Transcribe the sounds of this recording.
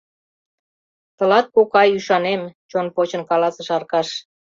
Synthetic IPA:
t̪ə̆lɑt̪̚kokɑjyʃɑnemt͡ɕonpot͡ɕə̆nkɑlɑsə̆ʃɑrkɑʃ

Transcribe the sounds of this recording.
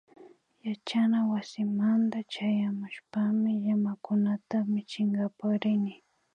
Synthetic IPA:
jat͡ʃanawasɪmant̪at͡ʃajamʊʃpamɪʎamakʊnat̪amɪt͡ʃɪŋɡapaχɾɪnɪ

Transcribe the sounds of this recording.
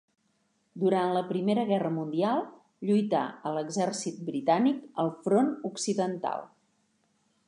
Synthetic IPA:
d̪uɾanləpɾimeɾəɣ̞ɛrəmund̪ialˠ | ʎujt̪a̰ələɡzɛɾsit̪̚bɾit̪anikəlˠfɾonuksiðənt̪a̰lˠ

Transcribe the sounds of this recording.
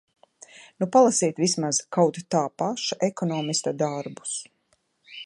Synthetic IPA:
nupalˠasiɛt̪ʋismaz̥kawt̪t̪aːpaʃaʔekɔnɔːmist̪ad̪aɾbu̥s

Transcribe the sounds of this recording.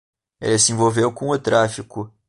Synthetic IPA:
ḛlɪsɪẽvowvewkõʊt̪ɾafikʊ

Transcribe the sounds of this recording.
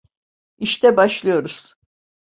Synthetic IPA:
iʃt̪ɛbaʃlˠɯjo̞ɾuz̥

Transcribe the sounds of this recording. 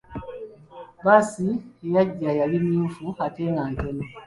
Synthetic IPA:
basiejaɟːajalimiufuateŋɡaːntome

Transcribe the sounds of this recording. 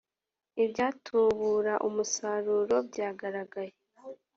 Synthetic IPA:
ibɟaːtʰuβuːɾaʔumusaːɾuːɾo̞bɟaːɡaɾaɡaje

